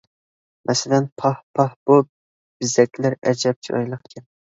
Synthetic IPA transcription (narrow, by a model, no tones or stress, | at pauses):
mʔɛsɪlɛnpʰɑhpʰɑhbu | b̥ɪzɛkʲʰlæɾɛd͡ʒɛp̚t͡ʃʰiɑ̰jlˠəχkʲʰɛ